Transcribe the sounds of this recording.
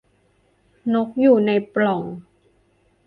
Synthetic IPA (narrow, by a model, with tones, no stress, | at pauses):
no˦˥k̚juː˨˩na˧jplɔ˨˩ŋ